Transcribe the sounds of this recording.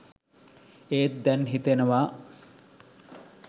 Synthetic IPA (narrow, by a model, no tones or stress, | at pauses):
eːt̪̚d̪ɛnɦit̪enəʋaː